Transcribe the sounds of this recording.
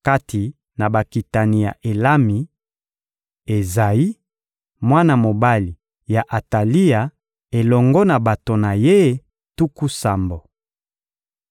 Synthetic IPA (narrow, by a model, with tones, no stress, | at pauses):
ka˦tʰi˨ | na˨ba˨ki˨ta˨ni˨ja̰˨ʔe˨la˦mi˨ | e˨za˨ji˦ | mwa˦na˨mo˨ba˦li˨ | ja˨ʔa˨ta˨li˦ja˨ | e˨lɔ˨ŋɡɔ˦na˨ba˨to˨na˨je˦ | tu˦ku˦sa˨mbo˨